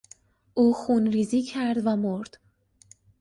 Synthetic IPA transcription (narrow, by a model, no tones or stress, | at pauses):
ʔuːxunɾiːziːcʰæɾd̪væmoɾd̪̥